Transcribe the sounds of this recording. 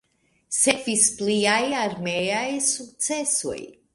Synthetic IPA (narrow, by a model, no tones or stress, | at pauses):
sefispliajaɾmeajsuk̚tt͡se̞so̰j